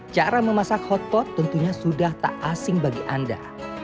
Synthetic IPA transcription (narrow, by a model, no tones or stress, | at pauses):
t͡ʃaɾaməmasakhɔt̪̚pɔt̪ːənt̪uɲasudaht̪a̰ʔasɪŋbaɡiʔanda̰